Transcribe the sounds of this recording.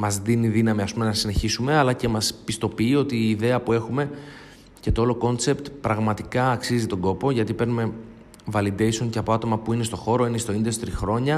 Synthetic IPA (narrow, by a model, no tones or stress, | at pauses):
mɐzðiniðinɐmiɐspumenɐsine̞çisume̞ɐlɐce̞mɐspist̪o̞piːo̞t̪iːðe̞ɐpue̞xume̞ | ce̞t̪ooloko̞nse̞pt̪pɾɐɣmɐt̪ikɐːksizit̪o̞ŋɡo̞po̞ʝɐt̪ipe̞ɾnume̞ | vɐlid̪e̞jsoŋceɐpo̞ɐt̪o̞mɐpuine̞st̪o̞xo̞ɾo̞inest̪oind̪est̪ɾixɾo̞ɲɐ